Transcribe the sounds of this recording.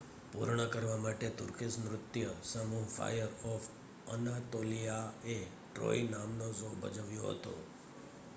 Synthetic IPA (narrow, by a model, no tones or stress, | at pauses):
pṵɾɳəkəɾʋamaʈet̪ʊɾkismɾʊt̪ːjəsəmuɦfʰa̰jəɾɔf | ənat̪olijae | ʈɾo̰inamnozobə̰d͡ʒəʋjoɦə̰t̪o̰